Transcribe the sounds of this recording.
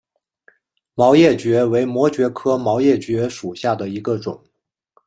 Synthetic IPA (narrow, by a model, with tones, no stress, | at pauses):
mɑ˧˥ʊjɛ˥˩t͡ɕɥɛ˧˥we˧˥ɪmwɔ˧˥t͡ɕɥɛ˧˥kʰɤ˥mɑ˧˥ʊjɛ˥˩t͡ɕɥɛ˧˥ʂu˨˩ɕja˥˩d̪ə˩i˧˥ɡə˧ʈ͡ʂʊ̰˨˩˦ŋ